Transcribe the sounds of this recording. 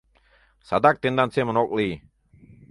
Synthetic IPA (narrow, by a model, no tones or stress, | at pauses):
sa̰d̪ak̚t̪ind̪ansemənok̚li